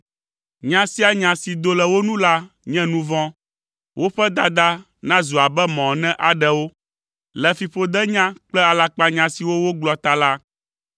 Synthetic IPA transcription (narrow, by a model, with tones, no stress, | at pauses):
ɲã˨si˦a˨ɲã˨si˨d̪o˨lɛ˨wo˦nũ˦la˦ | ɲɛ̃˦nũ˦vɔ̃˦ | wo˦ɸɛ˦d̪a˨d̪a˦ | nã˦zu˨a˨bɛ˦mɔ̃˨nɛ̃˦ʔa˨ɖɛ˨wo˦ | lɛ˨fi˨ɸo˦d̪ɛ˦ɲã˦k͡plɛ˦a˨la˦k͡pa˦ɲã˨si˨wo˦wo˦ɡ͡blɔ˨t̪a˨la˦